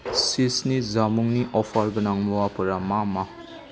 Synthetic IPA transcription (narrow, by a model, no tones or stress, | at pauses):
sisnizamuŋniʔɔpʰaɾbɐnaŋmuwapɐɾamama